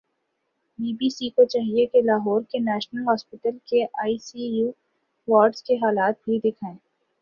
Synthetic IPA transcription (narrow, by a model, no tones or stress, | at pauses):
biːbiːsikot͡ʃaːɦiekelaːɦɔːɾkenɛːʃnəlɦɔːspɪʈəlkeʔaːisijuː | ʋaːɾɖskeɦaːlaːt̪̚bʱid̪ɪkʰaẽː